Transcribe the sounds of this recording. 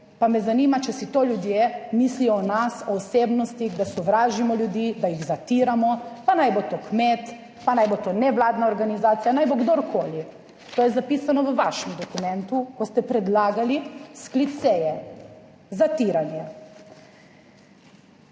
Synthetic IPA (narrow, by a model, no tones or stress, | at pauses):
pamɛzanimat͡ʃɛsit̪oːljud̪jemislijɔːnasɔːseːbnɔst̪iɣd̪asɔʋɾaːʒimɔlʲjud̪iːd̪ajiɣzat̪iɾamɔpanajbot̪okmet̪ | panajbot̪onɛʋlaːd̪naɔɾɡanizaːt̪sijanajboɡd̪oɾkʰoːli | t̪oːjɛzapisanɔʋəʋaʃɛmd̪ɔkumɛ̃nt̪ukɔst̪ɛpɾɛd̪laːɡalisklit̪sɛjɛ | zat̪iɾanja